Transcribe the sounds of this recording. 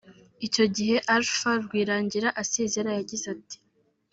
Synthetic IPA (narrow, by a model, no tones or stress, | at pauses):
ico̞ɟiɦe̞ʔaɾfaɾɡwiːɾaːɲɟiɾaʔase̞zeɾajaɟizati̥